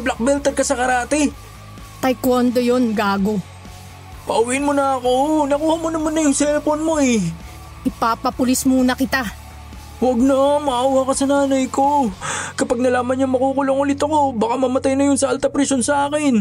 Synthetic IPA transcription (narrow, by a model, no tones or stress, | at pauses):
blɐk̚bɛlt̪ɛɾkɐsɐkɐɾaːt̪ɛ | t̪ɐjkwond̪ojonɡaːɡo | pɐʔʊwiʔɪnmonɐɐko̞nɐkuːhɐmonɐmanːɐjʊŋsɛlponmo̞ɛ | ʔɪpapɐpʊlɪsmʊnɐkɪt̪a | wɐɡ̚nɐmɐʔaːwakɐsɐnaːnɐjko̞kɐpaɡ̚nɐlaːmɐnɲaŋmɐkuːkʊloŋʊlɪt̪ɐko̞bɐkamɐmɐt̪ajnɐjʊnsɐʔɐlt̪ɐpɾisonsɐʔaːkɪn